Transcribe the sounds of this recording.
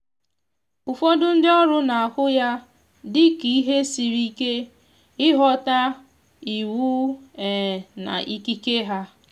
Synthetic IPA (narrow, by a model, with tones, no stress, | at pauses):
ʊ˨fo˦dʊ˦n̩˦dɪ˦ɔ˦ɾʊ˦na˨a˨kʊ˦ja˦ | dɪ˦ki˨i˦ɦe˦si˨ɾi˦ke˦ | ɪ˦ɦɔ˦ta˦ | i˨wu˦ɛ˨na̰˨ʔi˦ki˦ke˦ɦa˦